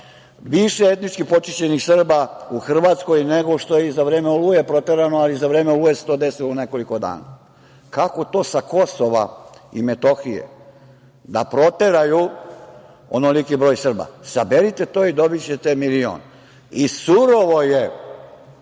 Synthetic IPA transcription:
ʋiʃeet̪nit͡ʃkipo̞t͡ʃienixsr̩bauxr̩ʋat̪sko̞jneɡo̞ʃt̪o̞jeizaʋɾe̞ːmeulujepɾo̞t̪e̞ɾanoalizaʋɾe̞ːmeluːjeset̪o̞d̪esiloune̞ko̞liko̞d̪a̰ːna̰ | kako̞t̪o̞ːsako̞so̞ʋa̰ḭmet̪o̞xijḛ | d̪a̰pɾo̞t̪e̞ɾaju | onolikibɾo̞ːjsr̩ba̰sabeɾit̪et̪o̞ːid̪o̞bit͡ɕet̪emilio̰ːn | isuɾoʋo̞je

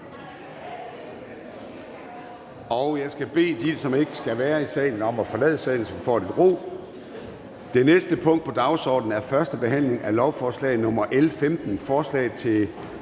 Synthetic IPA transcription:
ɒ̽ʊjɑ̈ɪsɡ̥æb̥e̝̰ːd̥isɒ̽me̝ɡ̥əsɡ̥æʋæːɐisɛ̰ːɪn̩ɒ̽mæfɒ̽lɛ̰ːð̞ˠəsɛ̰ɪn̩sɒ̽mfɒ̰ːɾ̥id̥ʁo̝̰ː | d̥e̝nesd̥əpʰɔ̽ŋ̰d̥pʰɒ̽d̥ɑ̈ʊsɒ̰ːd̥n̩æɐfɶɐsd̥əb̥e̝ɦæn̰le̝ŋælɒʊfɒːslɛ̰ːɪð̩ˠnɔ̽mɐʔelfemd̥n̩fɒːslɛ̰ɪðˠt͡sʰe̝

